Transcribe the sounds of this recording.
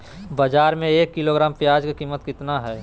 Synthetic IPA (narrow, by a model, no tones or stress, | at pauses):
bɐd͡ʒaːɾmẽeːkːɪloɡɾaːmpjaːd͡ʒkekiːmːət̪kɪt̪naɦɛː